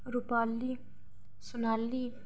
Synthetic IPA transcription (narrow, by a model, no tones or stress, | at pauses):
ɾʊpaːlːi | sʊnaːlːi